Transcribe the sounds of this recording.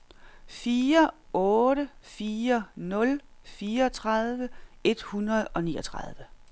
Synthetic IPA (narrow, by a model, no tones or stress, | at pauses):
fiːɐɔ̽ːɾəfiːɐnɔ̽lfiːɐɒt͡sʰʁɑðˠʋəe̝d̥hunɐðˠɒ̽nḭːɒ̽t͡sʰʁɑðˠʋə